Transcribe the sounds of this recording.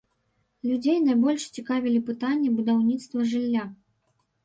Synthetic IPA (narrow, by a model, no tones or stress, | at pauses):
lʲud͡zʲejnajbɔlʲʂt͡sʲikavʲilʲipɨt̪anʲːɛbud̪awnʲit̪st̪vɐʐɨlʲːa